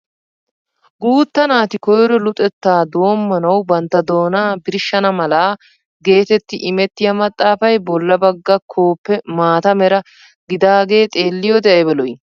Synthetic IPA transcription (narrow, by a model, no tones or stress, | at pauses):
ɡuːt̪ːɐnaːt̪ɪkɔjɾɔlʊt̪ʼɛt̪ːaːd̪oːmːɐnɐwbɐnt̪ːɐd̪o̞ːnaːbɪɾɪʃːɐnɐmɐlaː | ɡe̞ːt̪ɛt̪ːɪʔɪmɛt̪ːɪjɐmɐt̪ʼːaːfɐjbɔlːɐbɐɡːɐkʰo̞ːpːɛmaːt̪ɐmɛɾɐ | ɡɪd̪aːɡe̞ːt̪ʼe̞ːlːɪjɔd̪ɛʔɐbɛlɔj